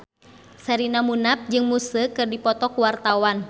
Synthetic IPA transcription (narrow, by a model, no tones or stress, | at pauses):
saɾinamunap̚d͡ʒɨŋmusəkɨrdipɔt̪ɔkuwart̪awan